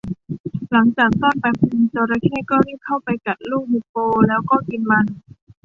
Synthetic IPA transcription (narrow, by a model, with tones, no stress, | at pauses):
la˩˦ŋt͡ɕaː˨˩k̚t̪ɔː˥˩npa˧jpʰu˧nt͡ɕoː˧ɾa˧˥kʰɛː˥˩kɔː˥˩ɾiː˥˩kʰa˥˩wpa˧jka˨˩t̪̚luː˥˩k̚mi˧˥oː˧lɛː˦˥wkɔː˥˩ki˧nma˧n